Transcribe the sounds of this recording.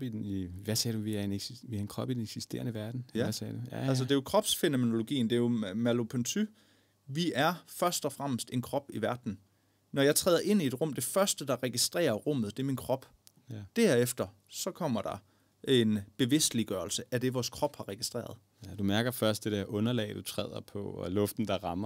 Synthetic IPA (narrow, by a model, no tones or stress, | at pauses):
ʋæsɛːduʋiæɐeneʋiɑenkʰʁɒ̽b̥ideneɡ̥sisd̥e̝̰ːɐnəʋæɐd̥n̩jsɛːd̥uælsəd̥e̝jo̝kʰʁɒ̽b̥sfe̝no̝me̝no̝lo̝ɡ̥ḭːnd̥e̝jo̝mælo̝pʰønt͡sʰy | ʋiʔæɐfɶɐsd̥ɒfʁam̰əsd̥e̝nkʰʁɒ̽b̥iʋæɐd̥n̩ | nɒjɑɪt͡sʰʁɛːðˠɐʔe̝n̰ie̝d̥ʁɔ̽m̰d̥e̝fɶɐsd̥əd̥ɑ̈ʁɛɡ̥isd̥ʁḛːɐʁɔ̽m̰ð̩ˠd̥e̝ɐminkʰʁɒ̽b̥ | d̥æɐefd̥ɐ | sɒ̽kʰɒ̽m̰ɐd̥ɑ̈ | e̝nb̥e̝ʋe̝sd̥liɡ̥ɶːɐlsəʔæd̥e̝ʋɒːskʰʁɒ̽b̥hɑ̈ʁɛɡ̥isd̥ʁḛːɐð̞̩ˠ | d̥umæɐɡ̥ɐfɶɐsd̥e̝d̥eɐ̰ʔɔ̽nɐlɛ̰ːɪd̥ut͡sʰʁɛ̰ːðˠɐpʰɒlɔ̽fd̥n̩d̥ɑ̈ʁɑ̈mɐ